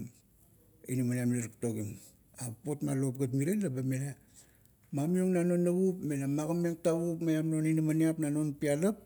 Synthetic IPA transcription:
ḭnimaniamileɾiktoɡim | apo̞tmalo̞p̚ɡatmiɾenlabemele | mamioŋnano̞nːaβupme̞lamaɡameŋtaβupmajamno̞ninimaniapnano̞npialap̚

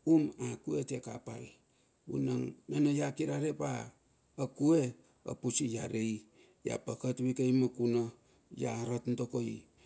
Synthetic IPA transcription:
umakuetekapa̰l | ṵnaŋnenojakiɾaɾepaː | kue | a̰pusijaɾej | ja̰pakatwikejmakuno | jaɾatntokoj

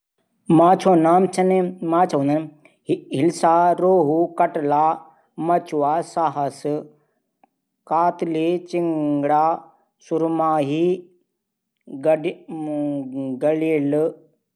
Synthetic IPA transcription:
mãːt͡ʃʰoːnaːmt͡ʃʰɐnmãːt͡ʃʰɐʋũːnd̪ən | ɦɪlsaːɾoːɦukɐʈlaː | mɐt͡ʃʰuʋaːsaɦəs | kaːt̪let͡ʃɪŋɡɽaː | sʊɾmaːɦi | ɡɐliːl

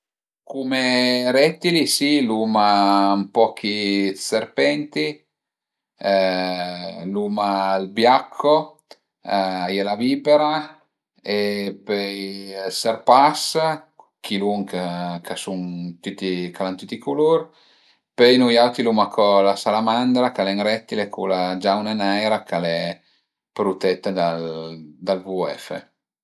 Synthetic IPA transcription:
kumeɾɛt̪ːilisilumampɔk̟iserpɛnt̪i | lumaːlbjakʰːo | jɛlaviːpeɾa | epejserpas | kʰiluŋkakʰasunt̪yt̪ːikalant̪it̪ikuluɾ | pejnujawt̪ilumakʰɔlasalamand̪ɾakalɛŋɾɛt̪ːilekʰulad͡ʒawnanajɾakalɛ | pɾut̪ɛt̪ːed̪ald̪alvuɛ̰fḛ

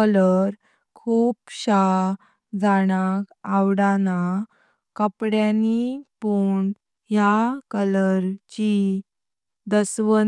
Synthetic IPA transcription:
ələɾ | kʰuːpɕa | d͡zaɽ̃akawɽana | kəpɽjanipuɳ | jakələɾt͡ɕi | d̪əsʋə

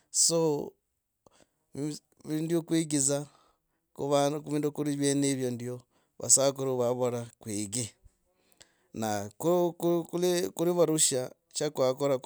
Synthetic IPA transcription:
so | βindjokwiɡiza | kuβakuβiːndukuɾiβjeniβjondjo | βa̰sakuɾuβaβoɾakwiɡi | nakukukulikuɾiβaɾuʃa | t͡ʃakwakoɾa

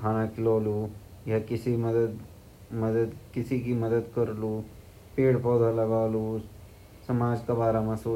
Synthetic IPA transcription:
kʰaːnakʰɪloːlu | jakisimɐd̪əd̪ | mɐd̪əd̪kisikimɐd̪əd̪kəɾlu | peːɽpɔd̪ʱalaɡaːlu | sɐmaːd͡ʒkabaːɾamãsoː

